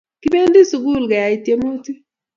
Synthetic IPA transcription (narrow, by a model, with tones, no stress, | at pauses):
ki˦be˦n˦di˦su˨ɡu˦˨lɡɛ˨ja˨i˨tje˨mu˦ti˦